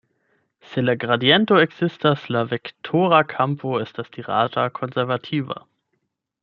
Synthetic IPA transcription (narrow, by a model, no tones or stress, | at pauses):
selaɡʁadiɛntoeɡz̥ɪstaslavektʰoʁakʰampʰoɛstasd̥iʁa̰ːtakʰonzɛʁvatʰiːva̰